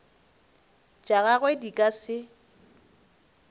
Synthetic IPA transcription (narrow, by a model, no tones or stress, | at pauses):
t͡ʃʼaɣaɣwedikʼasɪ